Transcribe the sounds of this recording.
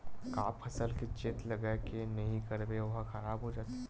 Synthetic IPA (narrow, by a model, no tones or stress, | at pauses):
kaːpʰɐsəlket͡ʃeːt̪lɐɡakenɐɦĩkɐɾbeʋɐɦxɐɾaːbɦod͡ʒaːt̪e